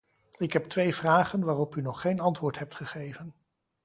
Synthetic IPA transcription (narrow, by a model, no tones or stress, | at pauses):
ɪkɦɛp̚tʋejvraːχənʋaːrɔpynɔχːejnɑntʋʊːɹtɦɛp̚tχəχejvən